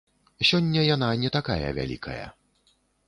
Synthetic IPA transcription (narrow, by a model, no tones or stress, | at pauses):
sʲɔnʲːɐjananʲɛt̪akajɐ̰vʲa̰lʲḭkʰɐjɐ̰